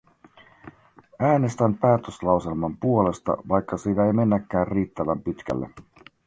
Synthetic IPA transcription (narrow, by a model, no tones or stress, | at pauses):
æːne̞st̪æmpæːt̪øslɑwse̞lmɑmpuo̞le̞st̪ɑ̰ʋɑjkːɑseʋæjme̞nːækːæːrriːt̪ːæʋæmpit̪k̟æ̰lːḛ